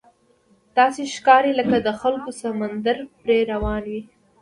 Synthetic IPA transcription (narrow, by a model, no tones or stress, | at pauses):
t̪ɑseʃkɑɾeləkad̪əxalkosamand̪aɾpɾeɾawɑnwi